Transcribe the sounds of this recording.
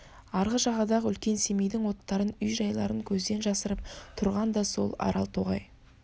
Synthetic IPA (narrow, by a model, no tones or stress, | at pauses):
ɑɾʁəʒɑʁɑd̪ɑʁəʏlkʲe̞nse̞mejd̪ɪŋwo̞t̪ːɑɾənʏjʒɑjlˠɑ̰ɾəŋkʲʰɵzd̪e̞nʒɑsəɾəp̚t̪ʰʊɾʁɑnd̪ɑso̞̰lˠɑ̰ɾɑ̰lˠt̪ʰoʁɑ̰j